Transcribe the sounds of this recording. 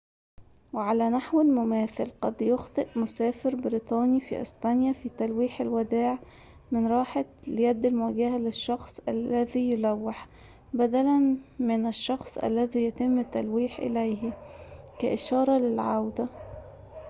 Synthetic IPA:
wɪʕalæːnaħwɪlmʊmæːθɪlqɑd̪jʊxt̪ˤɨʔmʊsæːfɪɾbɪɾiːt̪ˤɑːnifḭːʔɪ̰sbænjæfiːt̪ælwiːħalwæd̪aːʕ | mɪnɾˤɑːħaljæd̪ːɪlmʊwæːɡahælɪʃːɑxsˤʔælːæðiːjʊlæwːɪħ | bæd̪ælænmɪnæʃːɑxsˤʔæ̰lːæðiːjæt̪ɪmːɪt̪ːælwiːħʔɪ̰læjh | kæʔɪʃɑːɾˤɑlɪlʕawd̪æ

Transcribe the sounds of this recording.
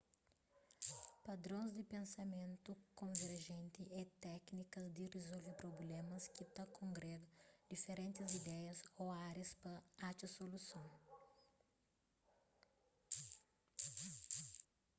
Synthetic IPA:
pɐd̪ɾõzd̪ɪpẽnsɐmẽnt̪ukõveɾʒẽnt̪iʔɛt̪ɛknikɐzd̪irezolvepɾoblẽmɐskit̪ɐkõŋɡɾɛɡɐd̪ifeɾẽnt̪ɪzid̪ɛjɐzoaɾispɐat͡ʃɐsolusɐ̃w̃

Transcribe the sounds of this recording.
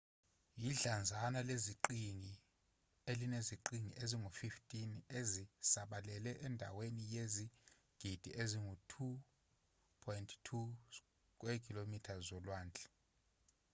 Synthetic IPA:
jiɮand͡zʱanaleziǃiŋi | elineziǃiŋḭʔeziŋɡʱofiftʼinezisaɓalɛlɛʔɛndʱa̰wenijezi | ɡ̥ʱid̥ʱiʔeziŋɡutʰu | pʰɔjntʰtʰu | k̬ʼwekʰʼilomitʰazɔlwaːnd͡ɮʱʼɛ̥

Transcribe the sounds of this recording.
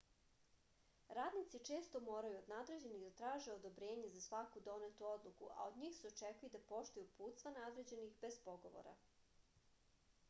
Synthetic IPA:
ɾaːd̪nit̪sit͡ʃe̞ːst̪o̞mo̞ːɾajuod̪nad̪ɾe̞d͡ʑe̞niɣd̪at̪ɾaːʒeo̞d̪o̞bɾeːɲe̞zasʋakud̪o̞net̪uo̞d̪lˠukṵʔa̰od̪ɲiːxseot͡ʃekujud̪apo̞ʃt̪ujupuːt̪st̪vanad̪ɾed͡ʑe̞nixbe̞spo̞ɡo̞̰ʋo̰ɾa̰

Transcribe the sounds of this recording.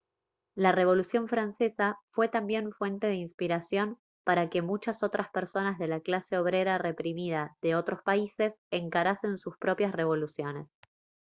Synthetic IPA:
lare̞β̞o̞lusjo̞ɱfɾanse̞safwe̞t̪ambje̞ɱfwe̞nt̪e̞ðeinspiɾasjo̞n | paɾake̞mut͡ʃaso̞t̪ɾʔaspeɾso̞nazðe̞laklase̞o̞β̞ɾe̞ɾare̞pɾimið̞aðe̞o̞t̪ɾo̞spaise̞seŋkaɾase̞nsuspɾo̞pjasre̞β̞o̞lusjo̞ne̞s

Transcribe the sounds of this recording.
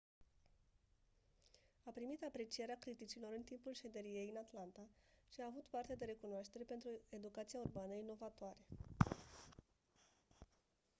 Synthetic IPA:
apɾimit̪apɾe̞t͡ʃije̞ɾeakɾit̪it͡ʃilo̞ɾɨnt̪impulʃe̞d̪e̞ɾije̞jɨnat̪lant̪aʃiaːvut̪part̪e̞d̪e̞ɾe̞kunoaʃt̪e̞ɾe̞pe̞nt̪ɾue̞d̪ukat̪sijaurbanəinːo̞vat̪oaɾe̞

